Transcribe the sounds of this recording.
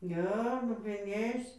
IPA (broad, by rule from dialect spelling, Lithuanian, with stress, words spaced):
ˈnʲɛ lˠoːpʲɪˈnʲiːs